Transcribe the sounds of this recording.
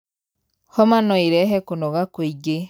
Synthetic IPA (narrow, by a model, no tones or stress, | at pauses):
hɔmanɔeɾɛɦɛkonɔɣakoiɡe